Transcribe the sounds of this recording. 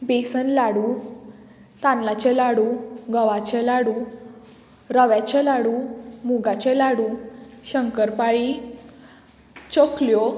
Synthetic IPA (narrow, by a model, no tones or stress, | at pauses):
besənlaɽu | t̪ãnlat͡ɕɛlaɽuɡəʋat͡ɕɛlaɽu | ɾəʋjat͡ɕelaɽumuɡat͡ɕɛlaɽuɕəŋkəɾpaɭi | t͡ɕokljo